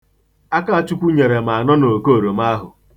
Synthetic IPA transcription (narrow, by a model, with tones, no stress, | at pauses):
a˦ka˦a˨t͡ʃu˦kʷu˦ɲe˨ɾe˨ma˨a˨nɔ˦no˨ko˦˨ɾo˨ma˦ɦʊ̰˨